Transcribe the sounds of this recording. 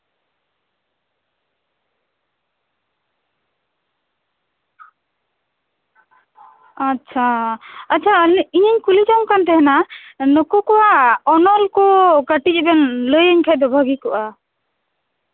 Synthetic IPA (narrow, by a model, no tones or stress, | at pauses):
atːt͡ʃʰaaːt͡ʃʰaliɲəɲkulid͡ʒɔŋkant̪ɛɦɛnanɔkɔkɔwaɔnɔlkɔkəʈiɛbɛnləjəɲkʰɛd̪ɔbʱaɡikɔʔa